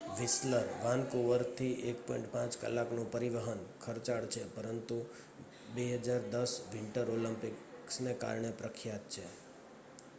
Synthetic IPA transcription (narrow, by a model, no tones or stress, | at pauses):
ʋɪsləɾʋãnkoʋəɾt̪ʰiʔekpɔ̃iɳʈpãt͡ʃkə̰lːaknũpəɾiʋəɦənkʰəɾt͡ʃaɭt͡ʃʰepəɾənt̪u | beɦəd͡ʒaɾd̪əsʋɪɳʈəɾoləmpɪksneka̰ɾɳepɾəkʰjat̪̚t͡ʃʰe